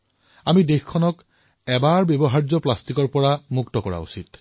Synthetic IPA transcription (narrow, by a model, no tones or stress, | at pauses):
amidexkʰːɔnɔk | ɛbaɹbjebɔɦaɹzɔplastikɔɹpɔɹamuktɔkɔɹa̰ṵsit